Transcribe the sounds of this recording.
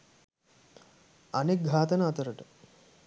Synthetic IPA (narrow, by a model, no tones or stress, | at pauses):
ɐnek̚ɡʱaːt̪ɐnaːt̪ɐɾəʈə